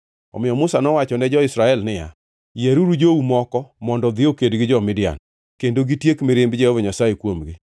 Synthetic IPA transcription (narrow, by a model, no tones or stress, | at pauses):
ɔ̰mɪjɔmʊsanɔwat͡ʃɔnɛd͡ʒɔɪsɾaɛlnɪja̰ | jeɾuɾud͡ʒoumɔkɔmɔndɔd̪ɪokedɡɪd͡ʒɔmɪdɪa̰n | kendoɡitjekmeɾɪmbd͡ʒɛhovɔɲasajekwomɡɪ